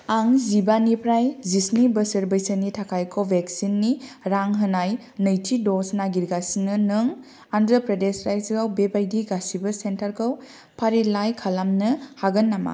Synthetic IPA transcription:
aŋzibanipɾajzisnibɐsəɾbəjsənitʰakʰajkʰowbeksinːiɾaŋɦɯnaj | nɯjtʰidɔsnaɡiɾɡasinːɯnɯŋ | andɾəpɾedesɾajsɡawbebajdiɡasibɐsentaɾkʰow | pʰaɾilajkʰalamnɯhaɡɐnːama̰

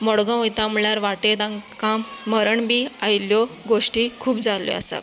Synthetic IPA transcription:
mɔɽɡãojt̪ãmɭjaɾʋaʈet̪ãŋkãmːəɾəɳbiːajljɔɡoʂʈiːkʰuːbd͡zaljɔ̰a̰sa̰

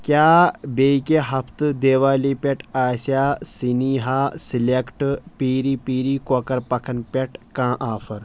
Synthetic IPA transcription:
kʲjaːbeːikeɦɐpʰt̪d̪eːʋaːliːpʲeʈʰaːsjaːsiniːɦaːsilekʈpiːɾiːpiːɾiːkokɐɾpɐkʰɐnpʲeʈkãːʔaːfʰɐɾ

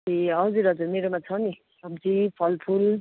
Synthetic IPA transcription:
iʌwd͡zuɾʌd͡zumeɾomat͡sʰʌwni | ʌmt͡sʰipʰʌlpʰul

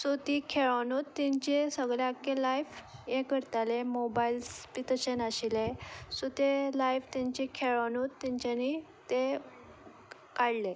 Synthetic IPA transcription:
sot̪ikʰeɭanut̪ːɛ̃ɲt͡ɕesəɡɭjakːelajfjekəɾt̪alemobailspit̪əɕenaɕilesot̪elajft̪aɲt͡ɕekʰeɭanut̪ːɛ̃ɲt͡ɕani | t̪e | kaɽle

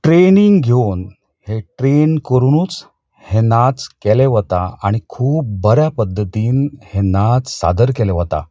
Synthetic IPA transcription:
ʈɾeniŋɡɡʱjon | heʈɾenkəɾunuːt͡s | henat͡skɛleʋət̪a̰aɽ̃ikʰuːp̚bəɾjapəd̪ʱːət̪iːnhenat͡ssa̰d̪əɾkɛleʋət̪a̰

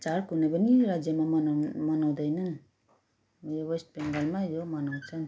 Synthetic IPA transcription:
t͡ʃaɾkunabaniɾad͡ʒjamanmanawd̪ajnan | jɔwesʈ̚peŋɡalmajɔmanawt͡ʃan

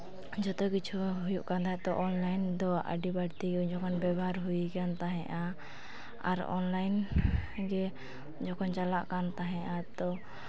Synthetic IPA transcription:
d͡ʒɔt̪ɔkit͡ʃʰuɦujuʔkand̪at̪ɔʔɔnlajnd̪ɔa̰ɖibaɽt̪iɡɛud͡ʒɔkɔnbɛbaɾɦujikant̪aɦɛ̃ʔa | a̰ɾɔ̰nlajnɡɛ | d͡ʒɔkɔnt͡ʃalaʔkant̪aɦɛ̃ʔat̪ɔ

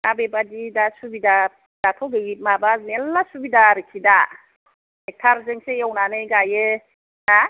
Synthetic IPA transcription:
abebadidasubida | d̥atʰɔbejimabaznelːasubidaɾɯkʰida | ak̚tʰaɾzeŋsejɔwnanɯjɡajɯ | ha

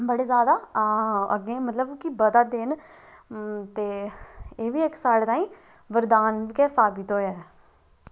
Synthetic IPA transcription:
bəɽeːzjaːd̪aː | ə̰ɡẽːmət̪ləbkɪbəd̪aːd̪ɪn | t̪eːeːʋiːɪksaːɽeːt̪aːĩː | ʋəɾd̪aːnʋɪkɛːsaːbɪt̪oːɛː

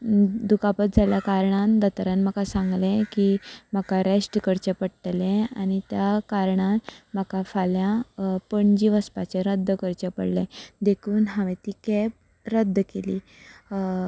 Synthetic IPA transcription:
d̪ukapət̪̚d͡zʱaljakaɾɳand̪ət̪ɾanm̤əkasaŋɡlẽkim̤əkaɾesʈkəɾt͡ɕepəɽt̪lẽañit̪jakaɾɳanməkafaljãpəɳd͡ʑiʋəspat͡ɕeɾəd̪ʱːəkəɾt͡ɕepə̰ɽlẽd̪ekʰuːnɦaʋẽt̪iːkɛp̚ | ɾəd̪ʱːəkelḭː

